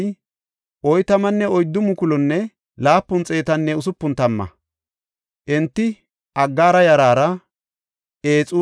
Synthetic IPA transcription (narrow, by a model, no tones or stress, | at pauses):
ʔɔjt̪ɐmɐnːɛɔjd̪ːʊmʊkʊlɔnːɛ | laːpːʊnt͡sʼe̞ːt̪ɐnːɛʊsʊpːʊnt̪ɐmːɐ̰ | ʔɛnt̪ːɪ | ʔɐɡːaːɾɐjɐɾaːɾɐ | eːt͡sʼu